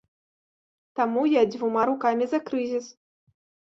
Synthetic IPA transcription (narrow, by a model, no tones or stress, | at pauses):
t̪amujad͡zʲvʲumaɾukamʲizɐkɾɨzʲis